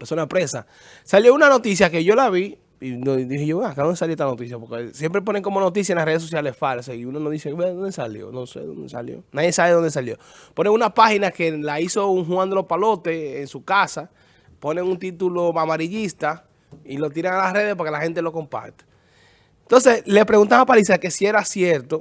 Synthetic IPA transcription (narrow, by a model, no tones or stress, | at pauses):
peɾsonapɾesa | saljo̞unano̞t̪is̬jake̞ʝo̞laβi | inoðiheʝoeakaðond̪esaljoest̪ano̞t̪isjapo̞ɾkesje̞mpɾe̞po̞ne̞ŋko̞moanot̪̬is̬jaenlasreðes̬osjalesfaleseiunanot̪isjiaβeðond̪esaljo̰nosḛðo̰nd̪esa̰ljo̰naðje̞saβeðo̞nd̪es̬aljo̞̰ | po̞neŋunapahinake̞laiso̞uŋɦwãnd̪elo̞spalo̞t̪e̞ːŋsukasa | po̞ne̞ŋunt̪it̪uloamaɾiʎist̪a | ilo̞t̪̬iɾaŋalasre̞ðespoɾkelahe̞nt̪elo̞ko̞mpa̰ɾt̪ḁ | ent̪o̞ns̬e̞sle̞spɾe̞ɣunt̪amapalisake̞sie̞ɾasje̞ɾt̪o